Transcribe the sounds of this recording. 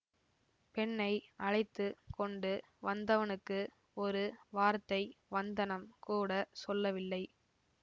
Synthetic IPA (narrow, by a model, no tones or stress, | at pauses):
pɛɳːɐɪʔɐɻɐɪt̪ːɯkɔɳɖɯ | ʋɐnd̪ɐʋɐnɯkːɯ | ɔɾɯʋaːɾt̪ːɐɪʋɐnd̪ɐnɐmkuːɽɐsɔlːɐʋɪlːɐɪ